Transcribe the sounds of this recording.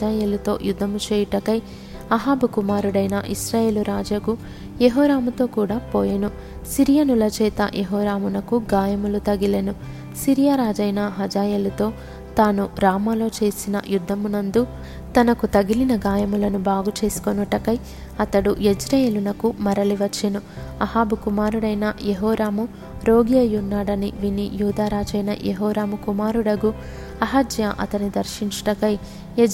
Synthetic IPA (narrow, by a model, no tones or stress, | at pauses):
d͡ʒaːjeːlut̪o̞̰ːjud̪ʱːɐmut͡ʃeːjuʈɐkɐj | ɐɦaːbukumaːɾuɽɐjnɐ̰ʔisɾaːje̞ːluɾaːd͡ʒɐku | jeɦɔːɾaːmut̪o̞ːkuːɽaːpoːjɐnu | siɾijɐnulɐt͡ʃɛːt̪ɐ̰jʔeɦɔːɾaːmunɐkuɡaːjɐmulut̪ɐɡilɐnu | siɾijaɾaːd͡ʒɐjnɐɦɐd͡ʒaːjeːlɐt̪o̞ː | t̪aːnuɾaːmɐlo̞ːt͡ʃe̞ːsinɐ̰jud̪ʱːɐmunɐnd̪u | t̪ɐnɐkut̪ɐɡilinɐɡaːjɐmulɐnubaːɡut͡ʃe̞ːsu̥konuʈɐkɐj | ɐt̪ɐɽued͡ʒɾɐjeːlunɐkumɐɾɐliʋɐt͡ʃːinuɐɦaːbukumaːɾuɽɐjnɐjeɦɔːɾaːmu | ɾo̞ːɡijɐjunːaːɽɐniʋinijuːd̪aːɾaːd͡ʒɐjnɐ̰jeɦɔːɾaːmukumaːɾuɽɐɡu | ɐɦɐd͡ʒjaʔɐ̰t̪ɐnid̪ɐɾʃiɲt͡ʃɐ̥ʈɐkɐj